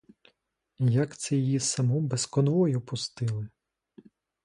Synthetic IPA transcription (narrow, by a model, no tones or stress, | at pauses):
jɐkt̪sɛjjisɐmɔbeskɔnʋɔjʊpʊst̪ɪlˠɪ